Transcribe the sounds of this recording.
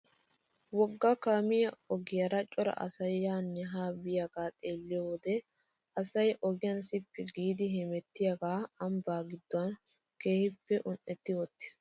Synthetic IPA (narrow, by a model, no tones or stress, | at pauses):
wɔɡːɐkaːmɪjɐɔɡɪjɐɾɐt͡ʃʼːɔɾɐ̰ʔɐ̰sɐjːaːnːɛɦaːbɪjaɡ̥aːt̪ʼe̞ːlːɪjɔwɔd̪ɛ | ɐsɐjʔɔɡɪjɐnsɪpːɛɡiːd̪ɪɦɛmɛt̪ːɪjaɡaːɐmbaːɡɪd̪ːɔɐn | keːhɪpːɛʔʊnʔɛt̪ːɪwɔt̪ːɪ̥s